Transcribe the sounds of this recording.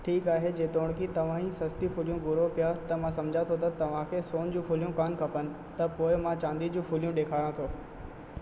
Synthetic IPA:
ʈʰiːkaːɦed͡ʑeːt̪oːɽ̃kʰit̪ɐʋ̤ãĩsɐst̪ifʊlijũɡʊɾopijat̪ɐmãsɐ̃md͡ʑʱãt̪ʰot̪ɐt̪ɐʋ̤ãkʰesoːnd͡ʑũːfʊlijũkaːnkʰɐpənɪ̆ | t̪ɐpoːɪmãt͡ɕãːnd̪id͡ʑũːfʰʊlijũɗeːkʰaːɾãt̪ʰoː

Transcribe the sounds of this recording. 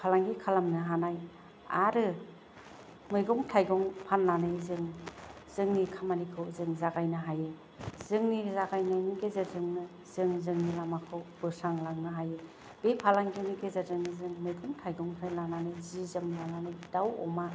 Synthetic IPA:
pʰalaŋɡikʰalamnɯɦanaj | a̰ɾɯ | mɯjɡɔŋtʰajɡɔŋpʰanlanɯjzɯŋ | z̥ɯŋnikʰamanikʰɯwzɯŋzaɡajnɯɦaje | z̥ɯŋnizaɡajnajmiɡezazɯŋnɯ | z̥ɯŋzɯŋnilamakʰɯwb̥ɯsaŋlaŋnɯɦajɯ | b̥epʰalaŋɡimiɡezazɯŋnɯzɯŋmɯjɡɔŋtʰajɡɔŋpʰanlananɯjzizɯmlananɯjdawɔ̰ma

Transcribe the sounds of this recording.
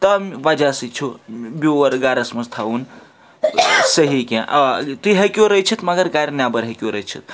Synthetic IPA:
t̪ɐmʋɐd͡ʒasit͡ʃʰuboɐɾɡaːɾɐsmɐst̪ʰaun | səɦikẽʔɐt̪uiɦekjoɾɐt͡ʃʰit̪mɐɡəɾɡaɾnʲjabəɾɦekjoɾət͡ʃʰit̪̚

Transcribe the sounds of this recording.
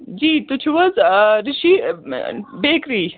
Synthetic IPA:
d͡ʑiːt̪ut͡ʃʰwɐzɾiʃi | beːkɾiː

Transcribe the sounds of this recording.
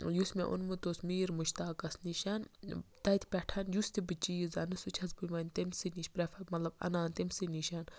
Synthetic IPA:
jusmḛ̃ʔṵnmɨt̪osmiːɾmuʃt̪aːkɐsniʃant̪ɐjt̪ʰpʲɛʈʰɐːnjust̪ibɨt͡ʃiːizɐnɨsut͡ʃʰɐsbɨmɐnʲt̪emsiniʃpɾefʰɐmɐt̪lɐbɐ̰naːnt̪emsiniʃan

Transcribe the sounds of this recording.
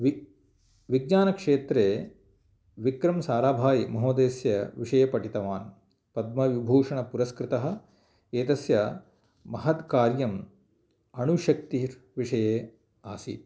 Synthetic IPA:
ʋ | ʋiɡ̚ɲaːnɐkʂeːt̪ɾeː | ʋikɾɐmsaːɾaːbʱaːjimɐɦoːd̪eːsjɐʋiʂɐjɐpɐʈit̪ɐʋaːn | pɐd̪̚mɐʋibʱoːʂɐɳɐpuɾɐskɾɪt̪ɐɦɐ̆ | eːt̪ɐsjɐ | mɐɦɐt̪kaːɾjɐm | ɐnuʃɐk̚t̪iɾ | ʋiʂɐjeː | aːsḭt̪

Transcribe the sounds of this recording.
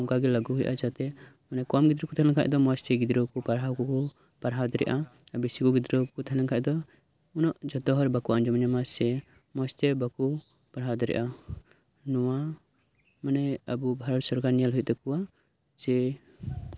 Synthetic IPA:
ɔŋkaɡɛlaɡuɦujʔa̰d͡ʒat̪ɛ | manɛkɔmɡid̪ɾɔkɔt̪ʰɛlɛŋkʰa̰ʔd̪ɔmɔst̪ɛɡid̪ɾɔkɔpaɾɦawkɔkɔ | paɾɦawd̪ɛɾɛ̰ʔaabisikɔɡid̪ɾɔkɔt̪ʰalɛŋkʰaʔ̚d̪ɔ | unɔʔd͡ʒɔt̪ɔɦɔɾbakuand͡ʒɔmaɲamasɛ | mɔst̪ɛbaku | paɾɦawd̪ɛɾɛ̰ʔa | nɔwa | manɛabubʱaɾɔlsɔɾɡanijalɦuj̚t̪ɛkuwa | d͡ʒɛ

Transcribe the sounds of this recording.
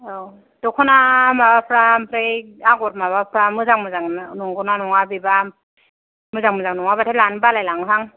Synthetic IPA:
d̥ɔkʰɔnamabapʰɾampʰɾeaɡɔt̚mabapʰɾamɯzaŋmɯzaŋnɔŋɡɔnanɔŋabiba | mɯzaŋmɯzaŋnɔŋabatʰelanbalajlaŋsaŋ

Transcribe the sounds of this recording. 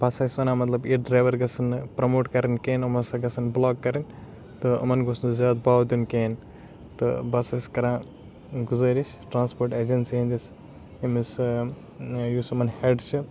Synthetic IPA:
bɐsasʋɐnãmɐt̪lɐbiɖɾaːjʋɐɾɡɐsɐnpɾɐmoːʈkɐɾinkeːnɐmɐnsaɡɐsɐnblɔkːɐɾin | t̪ɨɐ̰mɐnɡosnzaːd̪baːwd̪unken | t̪ɨ̰bɐsɐskɐɾãː | ɡuzɐɾisʈɾãːnspoːɾʈed͡ʒensiɦĩnd̪is | imis | jusumɐnheɖt͡ʃʰi

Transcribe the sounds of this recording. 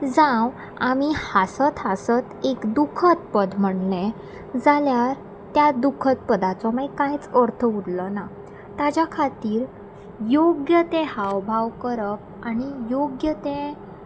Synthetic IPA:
d͡zãw | amihasət̪ɦasət̪ekd̪ukʰət̪̚pəd̪m̤əɳlɛ̃ | d͡zaljaɾ | t̪jad̪ukʰət̪̚pəd̪at͡sɔmajkãjt͡səɾt̪ʰəuɽləna | t̪ad͡ʑjakʰat̪iːɾ | joɡjət̪ẽhawbʱaʋkəɾəp̚aɽ̃ijoɡjət̪ẽ

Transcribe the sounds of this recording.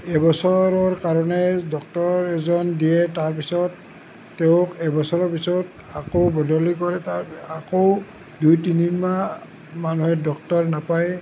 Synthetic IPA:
ɛbɔsɔɹɔɹkaɹɔnɛdɔk̚tɔɹɛzɔndijɛtaɹpisɔtː | ɛʊ̃kɛbɔsɔɹɔɹpisɔt | akobɔdɔlikɔɹɛtaako | dujtinima | manuɦɛdɔk̚tɔɹnapaj

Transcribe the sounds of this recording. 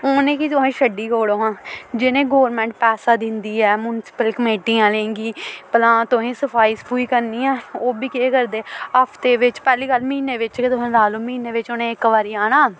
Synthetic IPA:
oːnẽːkit̪̬ʊɦẽːʃəɖiːkoːɽoːɦãːd͡ʒɪnẽːɡoːɾmɛ̃ːɳʈ̚pɛːsaːd̪ɪnd̪iːɛːmuːnsɪ̥pəlkəmeːʈiːãːlẽːŋɡiːpəlãːt̪ʊɦẽːsəpʰaːiːspuːiːkəɾniːãːoːbiːkeekəɾd̪eːəpʰt̪eːʋɪt͡ʃpɛːliːkəlmiːneːʋɪt͡ʃket̪ʊɦẽːlaːloːmiːneːʋɪt͡ʃonẽːɪkːʋaːɾiːaːnaː

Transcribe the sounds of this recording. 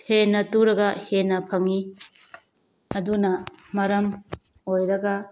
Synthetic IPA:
henːɐtuɾɐɡɐhenːɐpʰɐŋi | ɐdunɐmɐɾɐm | ojɾɐɡɐ

